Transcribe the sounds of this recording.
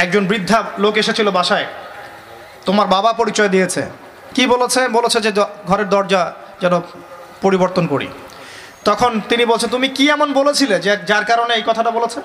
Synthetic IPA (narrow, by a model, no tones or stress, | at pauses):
ɛk̚d͡ʑonbɾid̪ʱːalokeʃet͡ɕʰilobaʃae | t̪omaɾbabapoɾit͡ɕɔed̪ijet͡ɕʰḛ | kibolet͡ɕʰebolet͡ɕʰed͡ʑeɡʱɔɾeɾd̪ɔɾd͡ʑa | d͡ʑɛno | poɾiboɾt̪onkoɾḭ | t̪ɔkʰont̪inibolt͡ɕʰent̪umikiɛmonbolet͡ɕʰiled͡ʑed͡ʑaɾkaɾoneejkɔt̪ʰaʈabolet͡ɕʰe